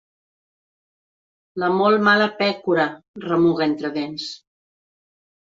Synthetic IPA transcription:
ləmɔlˠmaləpɛkuɾərəmuɣent̪ɾəðens

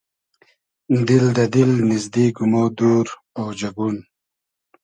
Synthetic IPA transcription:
d̪ild̪ɐd̪ilnizd̪iːɡumod̪uːɾ | owd͡ʒaɡun

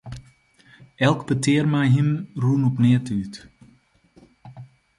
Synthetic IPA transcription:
ɛlˠkbətɪːrmɛjɦɪmruːnɔpnɪətyt

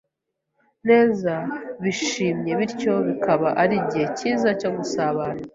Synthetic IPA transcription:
ne̞ːzaβiʃiːmɲe̞βiɾco̞βikʰaβaʔaɾiɟihe̞ciːzaco̞ɡusaβaːna

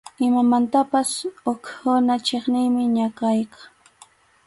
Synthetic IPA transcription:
ɪmamant̪apasʊkhʊnat͡ʃeχnɪjmɪɲakajka

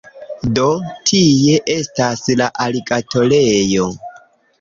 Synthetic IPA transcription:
do̞tʰije̞ʔe̞staslaʔaliɡatʰo̞le̞jo̞

